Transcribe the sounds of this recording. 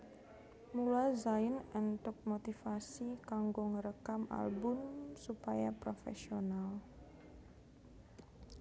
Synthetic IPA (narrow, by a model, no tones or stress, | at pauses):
mulazaɪnənt̪ʊk̚mot̪ifasikaŋɡoŋəɾəkama̰lbʊmsupajapɾofɛ̰sional